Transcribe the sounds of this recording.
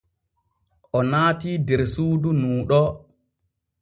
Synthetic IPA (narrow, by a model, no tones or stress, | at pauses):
ʔɔnaːtiːdɛɾsuːdunuːɗɔ